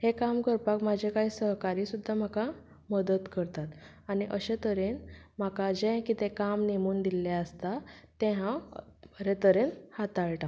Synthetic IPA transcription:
hekamkəɾpakmad͡ʑʱekaɦiːsəɦkaɾiːsud̪ʱːam̤aka | məd̪ət̪kəɾt̪at̪ | aniʔəɕet̪əɾenm̤akad͡ʑẽkit̪ɛ̃kamnemuːnd̪ilaəst̪at̪ːɛ̃ɦã | ɾet̪əɾenhat̪aɭʈã

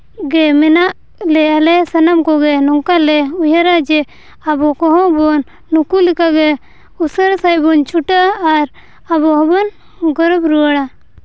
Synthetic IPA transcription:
ɡɛmɛnaʔ | lɛalɛsanamkɔɡɛnɔŋkalɛujaɾad͡ʒɛ | abɔkɔɦɔ̃bɔnː | ukulikaɡɛ | usəɾsajbɔnt͡ʃʰuʈaːɾ | abɔɦɔbɔn | ɡɔɾɔbɾuwaɽa

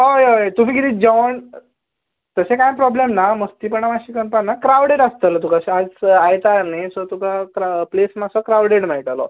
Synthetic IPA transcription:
oeojet̪um̤iːkit̪iːd͡ʑaʋɳ | t̪əsekãjpɾɔblemnaməst̪iːpəɳamaɕikənpanːakɾawɽeɽəst̪əlt̪ukaɕad͡zajt̪aɾnesɔt̪ukakɾaplesmasɔkɾawɽeɽm̤aiʈ̪alɔ̰

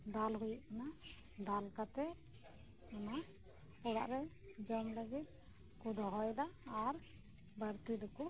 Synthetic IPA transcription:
d̪alɦujuʔkanad̪alkat̪ɛ | ɔna | ɔɽa̰ʔɾɛd͡ʒɔmləɡit̪̚ | kud̪ʱɔɦɔjd̪aːɾ | bəɾt̪id̪ɔku

